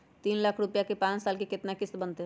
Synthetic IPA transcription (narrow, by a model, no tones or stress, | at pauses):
t̪iːnlakʰɾʊpjakepãːt͡ʃsaːlkekɪt̪nakɪsbənt̪e